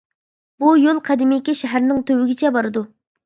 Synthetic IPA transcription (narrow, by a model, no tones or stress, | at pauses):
bujolˠqʰæd̪ɪmɪkʲɛʃɛɦæɾnɪŋt̪ʰøwɪɡʲɪt͡ʃʰɛbɑɾɨd̪u